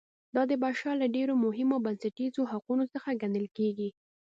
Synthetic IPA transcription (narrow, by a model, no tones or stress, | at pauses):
d̪ɑd̪əbaʃɑlaɖeɾomʊɦɪmobansaʈizoɦaqunosəxaɡand̪əlkeɡi